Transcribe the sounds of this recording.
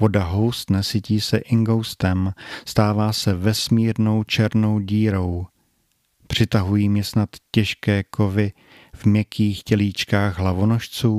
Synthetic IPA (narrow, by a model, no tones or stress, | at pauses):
vo̞daɦo̞wst̪nɛsɪciːsɛʔɪŋɡowst̪ɛmst̪aːvaːsɛvɛsmiːɾno̞wt͡ʃɛɾno̞wɟiːɾo̞w | pr̝̥ɪt̪aɦujiːmjɛsnat̪cɛʃkɛːko̞vɪ | vmjɛkʰiːxcɛliːt͡ʃkaːɣɦlavono̞ʃt͡suː